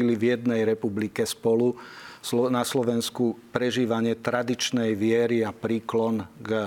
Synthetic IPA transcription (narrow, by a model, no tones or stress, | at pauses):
ilivjɛd̪nɛjɾɛpublikɛspɔlusɔnaslɔʋɛnskupɾɛʒiːʋaɲɪɛt̪ɾad̪it͡ʃnɛjʋɪɛɾiapɾiːklɔnɡ